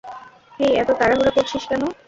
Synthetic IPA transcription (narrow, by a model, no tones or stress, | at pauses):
hejɛt̪ok̪aɾaɦuɾakoɾt͡ɕʰiʃkɛno